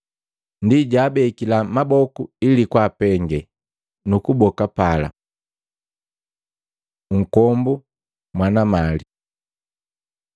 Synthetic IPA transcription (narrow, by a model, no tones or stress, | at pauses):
ndiɟaːbɛkilamabɔkuilikwaːpɛŋɡɛ | nukubɔkapala̰ | ŋ̩kɔmbu | mwanamali